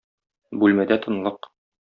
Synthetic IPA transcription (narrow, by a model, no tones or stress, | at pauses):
bʉlmæd̪æt̪ʰɤ̆nlˠɤq